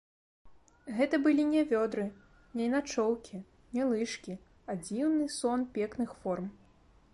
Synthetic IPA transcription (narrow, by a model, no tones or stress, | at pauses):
ɣɛt̪ɐbɨlʲinʲɛvʲɔd̪ɾɨ | nʲɛinat͡ʂɔwkʲi | nʲɛlˠɨʂkʲi | ad͡zʲiwnɨsɔnpʲɛknɨxfɔrm